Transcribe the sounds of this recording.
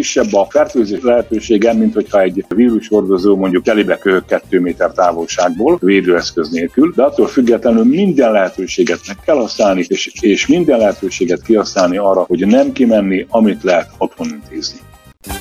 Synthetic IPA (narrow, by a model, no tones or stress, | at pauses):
iʃːɛbːɒfɛrt̪øːzeːʃlɛɦɛt̪øːʃeːɡɛmint̪ho̞chɒɛɟviːɾuʃho̞rd̪o̞zoːmo̞ɲɟukɛlibɛkøɦøkːɛt̪ːøːmeːt̪ɛrt̪aːvo̞lʃaːɡ̚boːlveːd̪øːɛskø̞zneːlkyld̪ɛɒt̪ːoːlfyɡːɛt̪lɛnylmind̪ɛnlɛɦɛt̪øːʃeːɡɛt̪mɛkːɛlhɒsnaːlniʃeːʃmind̪ɛnlɛɦɛt̪øːʃeːɡɛt̪kihɒsnaːlniɒːrːɒho̞ɟnɛmkimɛnːiʔɒmit̪lɛɦɛt̪o̞t̪ho̞nint̪ʰeːzni